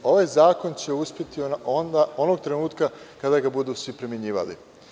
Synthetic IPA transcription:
o̞ʋajzaːko̞nt͡ɕe̞uspʲje̞t̪iond̪ao̞noɡ̚t̪ɾe̞nuːt̪ka | kad̪aɡabud̪uːsʋipɾemʲjeɲiːʋa̰lḭ

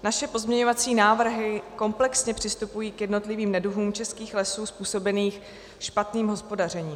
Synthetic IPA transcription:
naʃɛpo̞zmɲɛɲo̞vat͡siːnaːvr̩ɦɪko̞mplɛksɲɛpr̝̥ɪst̪upujiːkjɛdno̞t̪lɪviːmnɛduɦuːmt͡ʃɛskiːxlɛsuːspuːso̞bɛniːx | ʃpat̪niːmɦo̞spo̞dar̝ɛɲiːm

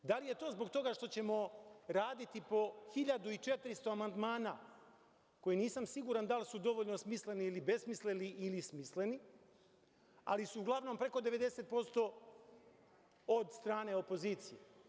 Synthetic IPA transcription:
d̪alije̞t̪o̞ːzbo̞kt̪o̞ɡaʂt̪o̞t͡ɕe̞mo̞ɾaːd̪it̪ipo̞xiʎad̪uit͡ʃe̞t̪ɾist̪o̞amand̪maːna | ko̞jiniːsamsiɡuːɾand̪alsud̪o̞ʋoʎno̞smisle̞niilibe̞smisleniʔilismisle̞ni | a̰lisuːɡlˠaʋno̞mpɾe̞ko̞d̪e̞ʋe̞d̪e̞se̞t̪̚po̞st̪o̞ | od̪st̪ɾaːne̞o̞po̞ziːt̪sije̞

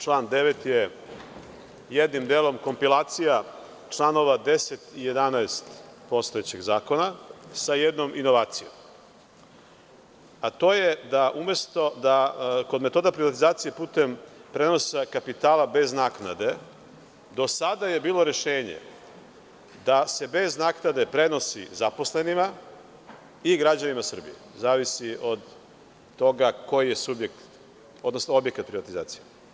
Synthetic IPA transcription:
t͡ʃlˠaːnd̪e̞ʋe̞t̪je | jed̪nimd̪eːlˠo̞mko̞mpilˠaːt̪sija | t͡ʂlˠaːno̞ʋad̪e̞set̪ije̞d̪anaest̪po̞st̪ojet͡ɕeɡzaːko̞nasajed̪no̞mʔino̞ʋaːt̪sijo̰m | at̪o̞ːje̞d̪aʔume̞st̪o̞d̪akod̪met̪o̞ːd̪apɾiʋat̪izaːt̪sije̞puːt̪e̞mpɾe̞no̞sekapit̪aːlabe̞znaːkna̰d̪e̞ | d̪o̞sad̪aje̞biːlˠo̞ɾe̞ʃeːɲḛ | d̪ase̞be̞znaːknad̪e̞pɾe̞no̞sḭzapo̞sle̞nima | iɡɾad͡ʑanimasr̩bḭezaːʋisiʔod̪ː | o̞ɡako̞jije̞subje̞kt̪ | o̞d̪no̞snoo̞bje̞kat̪pɾiʋat̪iza̰ːt̪sije

